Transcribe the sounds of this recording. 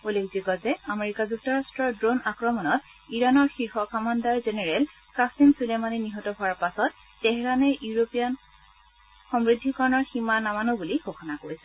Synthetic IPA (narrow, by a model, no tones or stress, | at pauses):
ulekziɡɔzɛameɹikazuk̚tɔɹastɹɔɹdɹonakɹɔmɔnɔt | iɹanɔɹxiɹxɔkamandaɹzenɛɹɛl | kɹastinsulemaniniɦɔtɔɦʊaɹpasɔt̚ː | ɛɦɛɹanɛjuɹopijan | xɔmɹidʱːikaɹnɔɹximanamanobulixoxɔnakoɹisɛ